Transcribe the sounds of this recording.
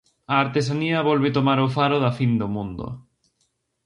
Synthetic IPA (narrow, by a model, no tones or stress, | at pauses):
aːɾt̪esaniɐβɔlβ̞et̪omaɾofaɾoðafind̪omũnd̪o̰